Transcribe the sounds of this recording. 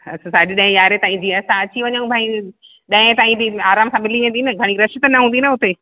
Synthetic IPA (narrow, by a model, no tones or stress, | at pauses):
ɐssaɦd͡ʑɗɐ̃ɦɪ̃jaːɾet̪ɐ̃ɦɪ̃d͡ʑiːɐsãɐt͡ɕiʋɐɲəũbʱaːĩ | ɗɐ̃ɪ̃t̪ãːĩbɪaːɾaːmsãmɪliʋẽːnd̪inɐɡʱɐɽ̃iɾɐʃɪt̪nɐɦũːnd̪inɐʊt̪e